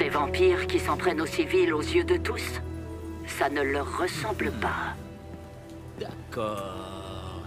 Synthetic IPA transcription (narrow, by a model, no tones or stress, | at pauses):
sevɑ̃piʁkʲisɑ̃pχɛnosivilozjød̪ət̪usː | anələʁːəsɑ̃bləpa | d̪̥akɔ